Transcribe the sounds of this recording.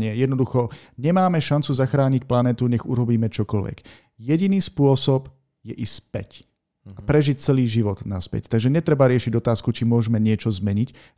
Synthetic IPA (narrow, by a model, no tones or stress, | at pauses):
ɲɪɛjɛd̪nɔd̪uxɔɲɛmaːmɛʃant͡suzaxɾaːɲicplanɛːt̪uɲɛɣuɾɔbiːmɛt͡ʃɔkɔlʋɛ̰ɡ̥ | jɛɟiniːspʊɔsɔb | jɛʔispɛ̰c | apɾɛʒic̚t͡sɛliːʒiʋɔd̪naspɛ̰ct̪aɡʒɛɲɛt̪ɾɛbaɾɪɛʃiɟɔt̪aːskut͡ʃimʊɔʒɛmɛɲɪɛt͡ʃɔzmɛɲic